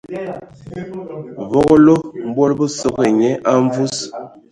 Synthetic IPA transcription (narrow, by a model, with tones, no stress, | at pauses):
vɔ˦ɣɔ˦lo˦m̩˦bwo˦lbə˦so˦ɣe˨ɲɛ˦ʔa˦ɱvu˦s